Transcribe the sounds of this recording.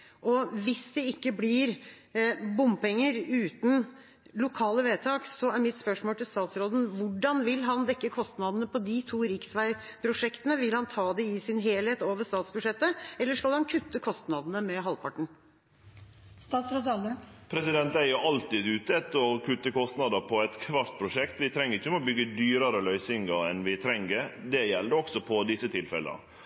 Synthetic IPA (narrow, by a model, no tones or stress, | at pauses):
ʔɔʋɪsd̪ɛɪkːəblɪːɾ | bʊmpɛŋːəɾʉːt̪n̩ | lʊkʰɑːləʋeːt̪ʰɑːksɔæɾmɪt̪spœʂmoːlt̪ɪlst̪ɑːt̪sɾoːd̪n̩ʋʊɖɑnʋɪlɦɑnd̪ɛkːəkʰɔst̪nɑd̪ən̩əpʰɔd̪ɪt̪ʰuːɾɪksʋæɪpʰɾʊʂɛkt̪ənəʋɪlhɑnt̪ʰɑːd̪ɛɪsɪnɦeːlheːt̪oːʋəʂt̪ɑːt̪sbʉd̪ʂɛt̪ːəɛlːəʂkɑlhɑnkʰʉt̪ːəkʰɔst̪nɑd̪n̩əmɛɦɑlpʰɑʈɳ̩ | st̪ɑːt̪sɾod̪ɑləpʰɾɛsɪd̪ɛnt̪æɪjʊʔɑlt̪ɪd̪ʉːt̪əɛt̪ːəɾɔkʰʉt̪ːəkɔst̪nɑd̪əpʰɔɛɪt̪kʰʋɑɾt̪pʰɾʊʂɛkt̪ʋɪt̪ʰɾɛŋːəɾɪçːəmɛɔbʏɡːəd̪yːɾɑɾəlœʏsɪŋɡɑɛnʋɪt̪ʰɾɛŋəɾd̪ɛjɛld̪əɔksɔpʰɔd̪ɪsːət̪ʰɪlfɛ̰lə̰ə̰